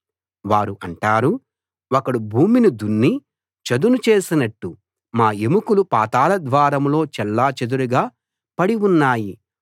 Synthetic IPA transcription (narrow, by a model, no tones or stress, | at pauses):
ʋaːɾuʔɐɳʈaːɾu | okɐɽubʱuːminid̪unːi | t͡ʃɐd̪unut͡ʃe̞ːsinɐʈːu | maːemukulupaːt̪aːlɐd̪ʋaːɾɐmlo̞ːt͡ʃɛlːaːt͡ʃɐd̪uɾuɡaː | pɐɽiunːaːji